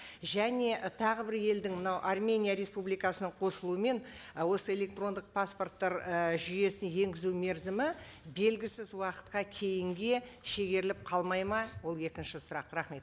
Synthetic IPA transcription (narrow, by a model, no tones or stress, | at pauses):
ʒæne̞ʔt̪ʰɑʁəbɪɾje̞ld̪ɪŋmənɑwʔarmʲe̞nʲijaɾe̞spublijkɑsənəɴqʰo̞səlˠuwəme̞nwo̞səe̞lʲe̞k̚t̪ro̞nd̪əq̚pʰasport̪ːɑɾəʒʏje̞sɪnje̞ŋɡʲɪzume̞ɾzɪmɪbe̞lɡʲɪsɪzwɑqə̥t̪qɑkʲʰe̞jɪŋɡʲe̞ʃe̞ɡʲe̞ɾɪlɪp̚qʰɑlˠmɑjmɑwo̞lˠe̞kʲɪnʃɪsʊɾɑqɾɑχme̞t̪